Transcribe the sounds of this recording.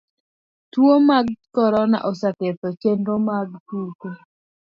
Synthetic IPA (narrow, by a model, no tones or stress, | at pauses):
twomaɡ̚kɔɾɔna̰ʔɔsaket̪ɔt͡ʃendomaɡkuko